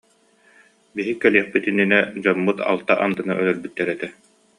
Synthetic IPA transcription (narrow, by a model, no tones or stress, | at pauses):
biɦikːɛliɛχpit̪inːinɛd͡ʑɔmːut̪a̰lˠt̪aʔand̪ɯna̰ʔœlœɾbyt̪ːɛɾɛt̪ɛ